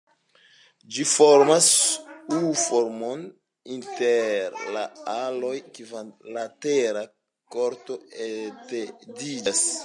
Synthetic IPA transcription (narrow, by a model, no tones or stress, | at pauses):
d͡ʒifoɾmasufo̞ɾmon | inteɾla̰alo̞jkivanlateɾa | koɾto̞etedid͡ʒas